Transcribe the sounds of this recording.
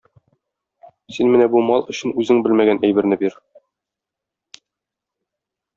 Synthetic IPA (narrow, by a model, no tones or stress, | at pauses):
sinmɘnæbumɑlˠɵ̆ɕɘ̆nʉzɘŋbɘlmæɡænʔæjbɘ̆ɾnɘbiɾ